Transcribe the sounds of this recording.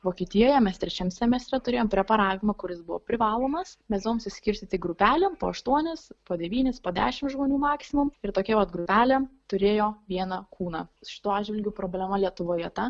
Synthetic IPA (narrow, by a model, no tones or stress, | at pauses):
ʋoːkʲiɛt̪ʲɪjoːjɛmʲɛst̪ʲɾʲɛt͡ʃʲɛmsʲɛmʲɛst̪ʲɾʲɛt̪ʊɾʲeːjoːmpʲɾʲɛpɐɾɑːʋʲɪmɐkʊɾʲɪsbʊʋo̰pʲɾʲɪʋɑːlˠoːmɐsmʲɛsd̪ʋoːmsʲɪsʲkʲɪɾʲsʲt̪ʲɪt̪ʲɪɡɾʊpʲæːlʲɛmpo̰ːɐʃt̪uɔnʲɪspoːd̪ʲɛʋʲiːnʲɪspoːd̪ʲæːʃʲɪmʒmoːnʲuːmɑːksʲɪmʊmɪɾt̪oːkʲɛʋɐt̪ɡɾʊpʲæːlʲɛmt̪ʊɾʲeːjoːʋʲiɛnɑkʰuːnɑːʃʲɪ̥t̪uːɑːd͡ʒʲʋʲɪlʲɡʲʊpɾoːbʲlʲɛmɐlʲiɛt̪ʊʋoːjɛt̪ɐ